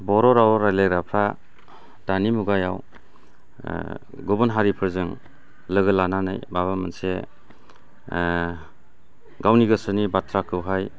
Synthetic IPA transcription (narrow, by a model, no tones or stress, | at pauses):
bɔɾɔɾawɔɾajleɡɾapʰɾa | d̥animuɡajaw | ɡɔbɔnɦaɾipʰɯɾzɯŋ | lɯɡɯlananajbaβamɯnse | ɡawniɡɯsɯnibatʰɾakʰɯwɦaj